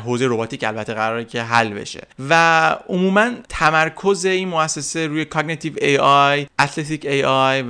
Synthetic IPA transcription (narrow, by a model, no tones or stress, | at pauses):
ɦozejɾo̞bɒːt̪ʰiːcælbæt̪ʰːeɣæɾɒːɾecʰe̞ɦælːbe̞̰ʃe̞̰væʔomuːmænt̪ʰæmæɾkʰo̞ze̞iːnmoæsːese̞ɾuːjekʰɒɡnit̪ʰivejɒjʔæt̪ʰlet̪ʰicejɒj